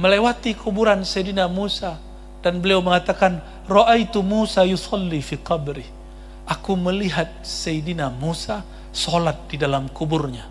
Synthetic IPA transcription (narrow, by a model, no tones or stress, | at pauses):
məlewat̪ikʰubuɾansejdinamusa | danbəliawməŋat̪akan | rɔʔajt̪umusajusɑlːifiqɑbɾi | ʔakuməliɦat̪̚sejdinamusa | solat̪̚didalamkuburɲa